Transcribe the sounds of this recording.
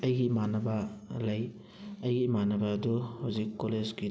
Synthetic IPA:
ɐjɡimanɐbalɐj | ɐjɡimanɐbaːduhawzikːolezɡi

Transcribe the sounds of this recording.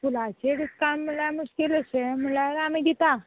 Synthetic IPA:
t̪ʰulat͡ɕeɽikamːəlamuskiləseməlaɾamid̪it̪a

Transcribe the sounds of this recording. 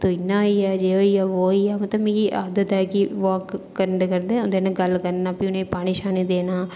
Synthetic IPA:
t̪oɪnːãiaːd͡ʒeːoiaːʋoːiaːmɐt̪ləbmeːkiʔaːd̪ət̪ɛːkiʋaːkː | əɾəɳɖekəɾd̪ẽʊnd̪enẽɡɐlkəɾnaːpiʊnẽipaːɽ̃iʃaːnid̪eːnaː

